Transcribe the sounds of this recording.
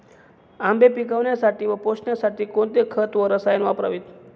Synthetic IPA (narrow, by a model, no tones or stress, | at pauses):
ambʱepikaʋɳjasaʈiːʋəposɳjasaʈʰiːkoɳt̪ekʰət̪ʋəɾəsajənʋapɾa̰ʋit̪